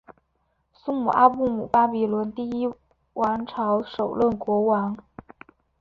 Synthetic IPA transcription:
su˥ŋmu˨˩ʔa˥pu˥˩mu˨˩pa˥pi˨˩lwə˧˥nt̪i˥˩i˥ | wa˧˥nʈ͡ʂʰɑ˧˥ʊʂo˨˩ʊlə˥˩nkwɔ˧˥wa˧˥n

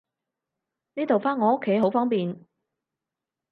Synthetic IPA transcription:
niː˥t̪o˨wfaː˥nŋɔː˨ʊ˥kʰːe˨˥jɦo˨˧˥wfɔː˥ŋpiː˨n

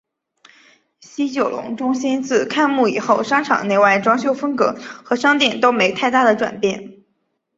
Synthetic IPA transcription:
ɕi˥t͡ɕjo˨˩ʊlʔʊ̰˧˥ŋʈ͡ʂʊ˥ŋɕi˥nt͡sɹ̩˥˩kʰa˥˧nmu˥˩i˨˩xo˥˩ʊʂɑ˥ŋʈ͡ʂʰɑ̰˨˩ŋne˥˧ɪwa˥˩ɪʈ͡ʂwɑ˥ŋɕjo˥˧ʊfə˥nkɤ˧˥xɤ˧˥ʂɑ˥ŋt̪jɛ˨˩nt̪o˥ʊme˧˥ɪt̪ʰa˥˧ɪt̪a˥˩d̪ə˩ʈ͡ʂwa̰˨˩npjɛ˥˩n

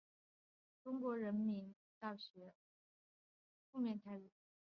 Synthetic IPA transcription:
ʈ͡ʂʊ˥ŋkwɔ˧˥ɻə˧˥nmi˧˥n | t̪ɑ˥˩ʊɕɥɛ˧˥ | fu˥˧mjɛ˥˩nt̪ʰa˥ɪu˨˩˦

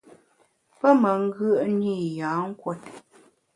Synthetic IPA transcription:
pə˦mə˨ŋ̩˦ɡə˦˨ʔni˦˨ja˨˦ŋ̩˦kwɔ˦t̚

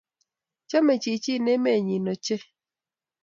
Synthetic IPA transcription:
t͡ʃɔ˦me˨t͡ʃi˨t͡ʃi˦˨ne˦me˦˨ɲi˨no˨t͡ʃe˦

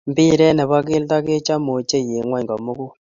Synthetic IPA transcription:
mbɪ˦ɾɛ˦nɛ˨βa˦kɪ˦lta˦ke˦t͡ʃa˦mo˨t͡ʃe˦je˨ŋwa˦ɲɡɔ˨mo˦ku˦

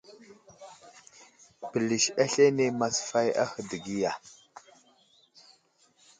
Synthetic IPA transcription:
bə˨li˨ʃa˦ɬe˦ne˦ma˨sfa˦ja̰˦xə˨də˨ɡi˦ja˨

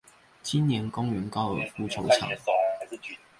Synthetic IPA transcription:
t͡ɕi˦nnjɛ˧˥nkʊ˥ŋɥɛ˨˧˥nkɑ˥ʊə̰˨˩fu˥ʈ͡ʂʰo˧˥ʊʈ͡ʂʰɑ̰˨ŋ˧˩

